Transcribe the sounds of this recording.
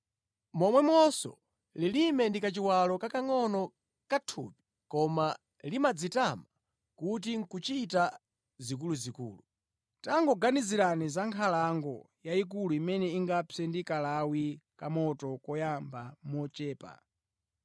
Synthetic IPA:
mɔmwɛmɔsɔ̰ | lilimɛndikat͡ʃiwalɔkakaŋɔnɔ | katʰupi̥ | kɔma | limad͡zitama | kut̬iŋ̩kut͡ʃita | zikuluzikṵːlu | taŋɡɔɡaniziɾanizaŋkʰalaŋɡɔ | jaik̬uluimɛnɛiŋɡapʰɛndikalawikamɔtɔkɔjambamɔt͡ʃɛːpa̰

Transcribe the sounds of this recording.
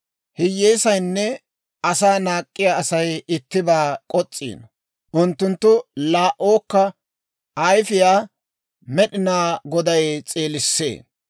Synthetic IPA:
hɪjːeːsɐjnːɛ | ɐsaːnaːkʼːɪjaːɐsɐjɪt̪ːɪbaːkʼɔt͡sʼːḭːnɔ | ʔʊnt̪ːʊnt̪ːʊlaːʔoːkːɐ | ɐjfɪjaː | mɛɗɪnaːɡɔd̪ɐjt͡sʼeːlɪsːḛː

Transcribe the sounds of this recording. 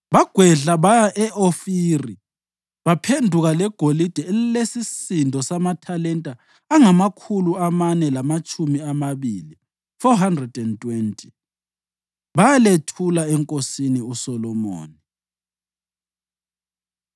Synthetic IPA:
βaɡ̥ʱwɛɮaβajaʔɛʔofiːri | βapʰendʱuɣalɛɡ̥ʱolid̥ʱɛllesisindʱɔsamatʰalɛntʼaː | ŋamakʰuluamanɛlamat͡ʃʼumiamaβili | fɔɦandrɛdɛntʼwentʼi | βajaletʰulaɛŋkʼosiniusɔlɔmo̰ːni

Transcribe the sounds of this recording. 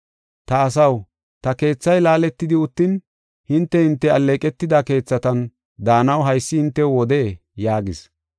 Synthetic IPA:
t̪ɐːs̬ɐw | t̪ɐke̞ːt͡sːɐjlaːlɛt̪ːɪd̪ɪʊt̪ːɪn | hɪnt̪ːɛhɪnt̪ːɛɐlːeːkʼɛt̪ːɪd̪ake̞ːt͡sːɐt̪ɐn | d̪aːnɐwɦɐjsːɪhɪnt̪ːɛwɔd̪eː | jaːɡɪs

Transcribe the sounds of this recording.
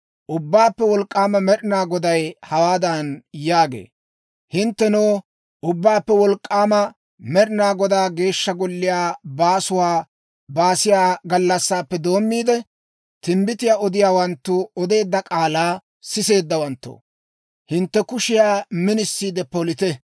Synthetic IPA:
ʔʊbːaːpːɛwɔlkʼːaːmɐmɛɾɪnaːɡɔd̪ɐjhɐwaːd̪ɐnjaːɡḛː | hɪnt̪ːɛnoː | ʔʊbːaːpːɛwɔlkʼːaːmɐ | mɛɗɪnaːɡɔd̪aːɡe̞ːʃːɐɡɔlːɪjaːbaːsʊwaː | baːsɪjaːɡɐlːɐsːaːpːɛd̪o̞ːmːiːd̪ɛ | t̪ɪmbɪt̪ɪjaːɔd̪ɪjaːwɐnt̪ːʊɔd̪e̞ːd̪ːɐkʼaːlaː | sɪse̞ːd̪ːɐwɐnt̪ːo̰ː | hɪnt̪ːɛkʊʃɪjaːmɪnɪsːiːd̪ɛpɔlɪt̪ɛ

